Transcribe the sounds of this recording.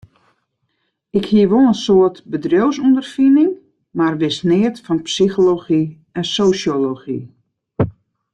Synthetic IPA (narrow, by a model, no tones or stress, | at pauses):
ɪkhiəʋoənsoətbədrjowsundərfinɪŋ | marʋɪsnɪətfɔnpsixoloxi | ɛnsoːsjoloxḭ